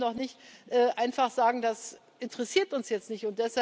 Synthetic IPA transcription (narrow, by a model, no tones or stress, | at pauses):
nɔχnɪçtʔɛːʔaɪnfaχz̥aːɡŋ̩das | ʔɪntəʁɛsiːɐtʊnsjɛt͡stnɪçtʊnt̚d̥ɛsha